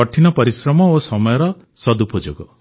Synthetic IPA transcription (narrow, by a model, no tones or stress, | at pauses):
ɔʈʰinɔpɔɾisɾɔmɔosɔmɔjɔɾɔ | sɔd̪upɔd͡ʒo̰ɡɔ